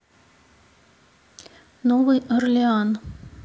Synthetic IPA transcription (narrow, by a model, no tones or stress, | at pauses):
novɨjɐrlʲɪan